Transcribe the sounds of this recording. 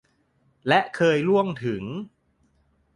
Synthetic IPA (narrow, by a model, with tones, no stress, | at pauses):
lɛ˦˥ʔkʰɤː˧jlu˥˩əŋt̪ʰɯ˩˦ŋ